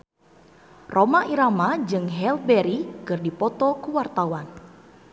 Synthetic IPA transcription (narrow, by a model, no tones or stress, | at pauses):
rʔomaʔiɾamad͡ʒɨŋɦɛlbɛɾikɨrdipɔt̪ɔkuwart̪awan